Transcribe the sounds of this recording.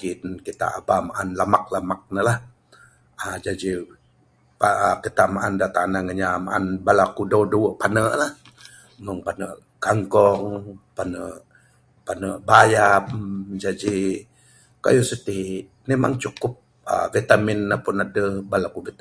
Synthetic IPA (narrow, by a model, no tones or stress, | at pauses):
ɡinkit̪a̰ʔabamaʔanlamak̚lamak̚nəlah | ad͡ʒad͡ʒi | pakit̪aʔmaʔandat̪anaŋəɲama̰ʔa̰nbalakudoduwəʔpanəʔlah | məŋpanəʔ | kaŋkɔŋpanə̰ʔ | panəʔbajamd͡ʒad͡ʒi | ka̰jusət̪i | nema̰ŋt͡ʃukʊp̚ | ə̰vit̪amɪnːəpʊnadəbalakuvit̪